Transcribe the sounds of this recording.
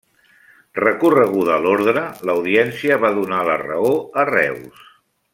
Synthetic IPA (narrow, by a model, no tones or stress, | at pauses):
rəkurəɣ̞uðəːloɾðɾələwðiɛnsiəβaðunalə̰rə̰oərɛ̰ws